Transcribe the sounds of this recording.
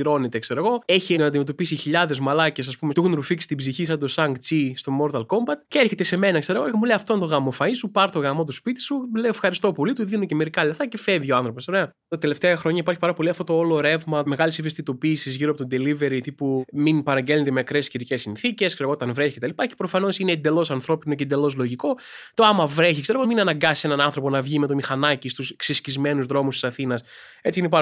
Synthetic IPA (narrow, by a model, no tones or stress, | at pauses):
iɾo̞net̪ekse̞ɾɐɣo̞e̞çinɐd̪ime̞t̪o̞pisiçiʎɐðe̞zmɐlɐcesɐspumet̪uxnɾufiksi̥t̪ibziçisɐd̪osɐŋɡt͡sist̪o̞mo̞ɾt̪ɐlkombɐt̪ceeɾçet̪e̞seme̞nɐkse̞ɾɐɣoemuleɐft̪ont̪o̞ɣɐmo̞fɐisupɐɾt̪o̞ɣɐmo̞t̪uspit̪i̥suleoefxɐɾist̪o̞po̞lit̪uðinoce̞me̞ɾikɐlɐft̪ɐce̞fevioɐnθɾo̞poso̞ɾe̞ɐ | t̪ɐt̪e̞le̞ft̪eɐxɾo̞ɲɐipɐɾçipɐɾɐpo̞liɐft̪ot̪o̞oloɾe̞vmɐme̞ɣɐlisivist̪it̪o̞piːsizʝiɾoɐpot̪od̪e̞live̞ɾit̪ipuminpɐɾɐɲɟelont̪emeɐkɾesciɾicesinθice̞skseɾɣot̪ɐnvɾeçicet̪ɐlipɐce̞̥pɾo̞fɐno̞sineːnd̪e̞lo̞sɐnθɾo̞pinocend̪e̞lo̞zlo̞ʝiko̞ | t̪o̞ɐmɐvɾeçikseɾoɣominɐnɐɡɐsise̞nɐnɐnθɾo̞ponɐvʝime̞t̪o̞mixɐnɐcist̪usksiscizme̞nuzðɾo̞must̪isɐθinɐs | e̞t͡siinep̬ɐ